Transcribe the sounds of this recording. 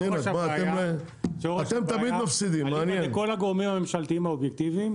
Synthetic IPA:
eamajeme | t͡ʃoʁat̪emt̪amid̪mafsid̪imlmeanjenko̞laɡoʁmimame̞mʃalt̪iimaobjekt̪iviim

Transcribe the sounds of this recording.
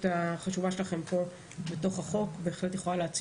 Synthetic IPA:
taχaʃuvaʃelaχe̞mpo̞ | be̞to̞χhaχo̞kbe̞ːχlet̪je̞χo̞laleat͡s

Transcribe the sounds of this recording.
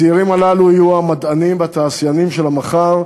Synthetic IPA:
iːʁimalaluijuamad̪animbat̪aːsjanimʃelamaχaʁ

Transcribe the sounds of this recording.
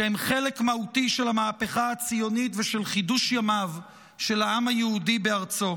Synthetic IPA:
eemχe̞lekmahutiʃelamaːpeχaat͡sijo̞nitveʃelχiduʃjamav | ʃe̞laamhajehudibeaʁt͡so

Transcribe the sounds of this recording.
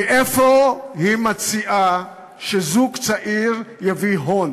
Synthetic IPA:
ʔefohimat͡siʔa | ʃezukt͡saʔiʁjaviɦon

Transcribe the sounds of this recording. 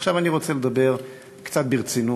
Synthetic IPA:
χʃavaniʁot͡seled̪abeʁ | kt͡sat̪̚biʁt͡sinu

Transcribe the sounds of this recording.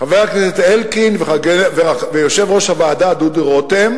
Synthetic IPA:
χaveʁakniset̪elkinveχaɡeveavejoʃe̞vʁo̞ʃhavaːd̪ad̪ud̪eʁot̪em

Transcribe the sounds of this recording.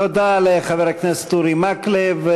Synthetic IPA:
od̪aleχaveɾaknast̪uɾimaklev

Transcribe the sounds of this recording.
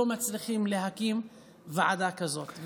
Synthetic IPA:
omat͡sliχimleɦakim | veʕad̪akazo̞t̪v

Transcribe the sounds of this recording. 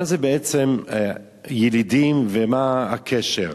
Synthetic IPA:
azɛbeɛt͡sɛm | jɛlid̪imvɛmaakʰɛʃeɛʁ

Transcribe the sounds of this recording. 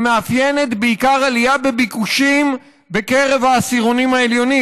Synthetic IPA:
meafjenet̪beikaʁalijabebikuʃim | be̞keʁe̞vhaːsiʁo̞nimhaeljo̞ni

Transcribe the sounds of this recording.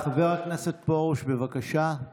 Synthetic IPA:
χaveʁakneset̪̚poʁuʃbe̞vakaʃa

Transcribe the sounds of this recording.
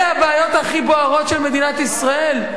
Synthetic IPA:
abeajo̞t̪haχibo̞aʁo̞tʃelme̞d̪inat̪isʁael

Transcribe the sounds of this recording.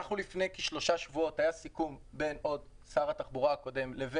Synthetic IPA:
aχulifne̞jkiʃlo̞ʃaʃvuo̞thajasikumbe̞nʔo̞d | saʁat̪aχbuʁaako̞de̞mleve

